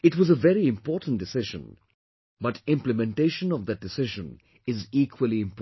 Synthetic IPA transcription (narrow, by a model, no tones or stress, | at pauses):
ɪʈwɔzəvɛɾiɪ̃mpɔːtn̩d̥ɨsɪʒə̰̃n | bʌtɪ̃mpləmɛ̃nʈeɪʃə̃nɔvd̪ɨt̚d̥ɪsɪʒə̃n | ɪziːkʰwəliɪ̃mp